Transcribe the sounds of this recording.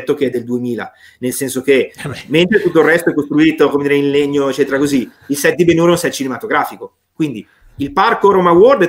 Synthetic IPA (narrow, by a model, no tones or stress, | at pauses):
t̪ːok̟eɛd̪ːeld̪uemiːla̰ | nelsɛnsok̟ement̪ɾet̪ut̪ːoilrːɛst̪oɛkːost̪ɾuiːt̪okomed̪iːɾeinleɲːoet͡ʃːɛːt̪eɾakozi | ilsɛt̪̚d̪ibenuːɾeunsɛt̪t͡ʃinemat̪oɡɾaːfiko | kwind̪i | ilparkoɾomaword̪